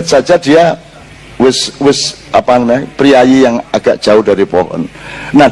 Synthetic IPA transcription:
t̪̚sad͡ʒad̥ia | wɪswɪs | ʔapaŋnɛpɾiajijaŋaɡ̥aʔd̥ʒ̥aʊhdaɾipɔ̰ɦɔ̰nna

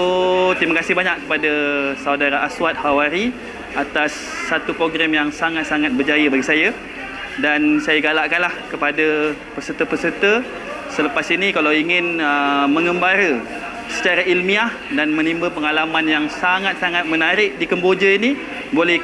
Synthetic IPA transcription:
ot̪imakasɪhbaɲakkːəpadasawdaɾaʔaswat̪̚hawaɾi | at̪asː | at̪upɾoɡɾamjaŋsaŋat̪̚saŋat̪̚bərd͡ʒajəbaɡisaja | dansajaɡalaʔkanlahkəpadapərsət̪əpəsərt̪ə | sələpasinikalawiŋɪnəmə̃ŋə̃mbaɾə | sə̥t͡ʃaɾaʔilmiah | danmə̃nimbəpəŋalamanjaŋsaŋat̪̚saŋat̪̚mənaɾɪʔ̚dikəmbod͡ʒəini | bolɛh

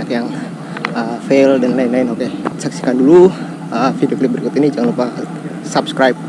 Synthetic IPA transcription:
akjaŋ | əfeldanlainlainokesaksi̥kandulu | əfidioklip̚bəɾikʊt̪inid͡ʒaŋanlupa | sapskɾajp̚

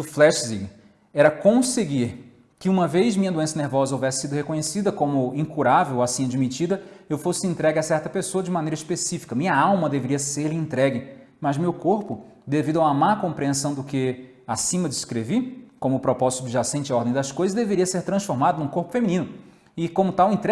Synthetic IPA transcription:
ʊflɛʃzḭɡ | ɛɾɐkõseɡiɾ | kɪũmɐvejzmĩɲɐd̪uẽsɐneɾvɔzɐovɛsɪ̥sid̪ʊhekõɲesid̪ɐkõmʊĩŋkuɾavewasĩad͡ʒimit͡ʃid̪ɐewfosɪẽnt̪ɾɛɡɪasɛɾt̪ɐpesoɐd͡ʒɪmɐnejɾɐispesifi̥kɐmĩɲɐawmɐd̪eveɾiɐseɾlɪẽnt̪ɾɛɡɪ | mɐzmewkoɾpʊ | d̪evid̪ʊawɐmakõpɾiẽsɐ̃w̃d̪ʊkɪ | asĩmɐd͡ʒɪskɾevikõmʊpɾopɔzit̪ʊd͡ʒɪʒasẽnt͡ʃɪɔɾd̪ẽj̃d̪ɐskojzɐzd̪eveɾiɐseɾt̪ɾɐ̃sfoɾmad̪ɐnũkoɾpʊ̥femĩnĩnʊ | ɪkõmʊt̪awẽnt̪ɾɛ

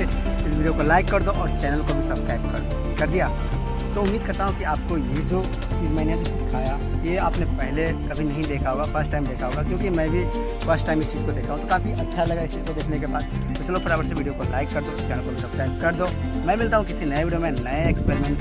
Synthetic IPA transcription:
e | ɪsʋiːɖijokolaːɪkːɐɾd̪oʔɔːɾt͡ʃɛːnəlkobʱisɐb̥skɾaːɪpkɐ | kɐɾd̪ijaː | t̪oʊmːiːd̪̚kɐɾt̪aɦũkiaːp̚kojed͡ʒo | t͡ʃiːzmɛ̃ːnebʱid̪ɪkʰaːja | jeaːpnepɛɦlekɐbʱinɐɦĩd̪eːkʰaɦoːɡafəɾsʈaːɪmd̪eːkʰaɦoːɡakjõːkimɛ̃bʱi | fəɾsʈaːɪmɪst͡ʃiːzkod̪eːkʰaɦũt̪okaːfiʔɐtːʃʰalɐɡaɪst͡ʃiːzkod̪eːkʰnekebaːd̪ | bɐt͡ʃlopɐɾaːʋəɾseʋiːɖijokolaːɪkːɐɾd̪oɪst͡ʃɛːnəlkobʱisɐb̥skɾaːɪpkɐɾd̪oː | mɛ̃ːmɪlt̪aːɦũkiɪsinɐjeʋiːɖijomẽnɐeeːkspɛɾmɛ̃ɳʈ

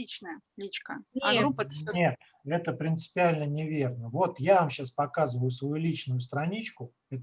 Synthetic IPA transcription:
it͡ɕnəjəlʲit͡ɕkənʲɡunʲet̪ | ɛt̪əpɾʲɪnt̪sɨ̥pʲɪalʲnənʲɪvʲe̞rnəvo̞t̪javamɕaspɐkazɨvəjʊsvɐjulʲit͡ɕnʊjʊst̪ɾɐnʲit͡ɕkʊ | ɛt̪ə

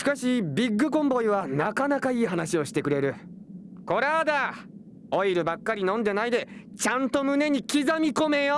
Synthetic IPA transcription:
ɕi̥kaɕibʲiɡːɯ̟kõ̞mbo̞iβanakanakaiːɦanaɕio̞ɕi̥t̪e̞kɯ̟ɾe̞ɾɯ̟ | ko̞ɾad̪a | o̞iɾɯ̟bakːaɾʲinõ̞nd̪e̞naid̪e̞t͡ɕãnt̪o̞mɯ̟ne̞ɲ̟ikʲizamʲiko̞me̞jo

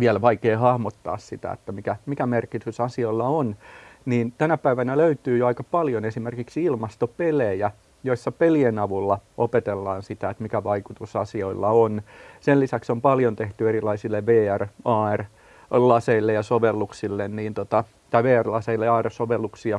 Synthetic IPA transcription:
ʋiælʋɑikeːhɑhmot̪ːɑ̰ːssit̪æ̰ḛt̪ːæmikæmikæmerkit̪ysɑsioilːɑonniːnt̪ænæpæiʋænæløyt̪yːjoɑikɑpɑljonesimerkiksiilmɑst̪opelejæ | joisːɑpelienɑʋulːɑʔopet̪elːɑːnsit̪æet̪mikæʋɑikut̪usɑsioilːɑonsellisæksompɑljont̪eht̪yeɾilɑisilːeʋeːærɑːer | lɑseilːejɑsoʋelːuksilːenniːnt̪ot̪ɑ | t̪ɑiʋeːærlɑseilːeɑːersoʋelːuksiɑ

